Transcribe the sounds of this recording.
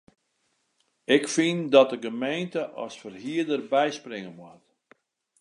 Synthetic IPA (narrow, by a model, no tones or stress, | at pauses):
ɪkfindɔt̚dəɣəmejntəʔɔ̰sfərɦiədərbɛjsprɪŋəmwɔt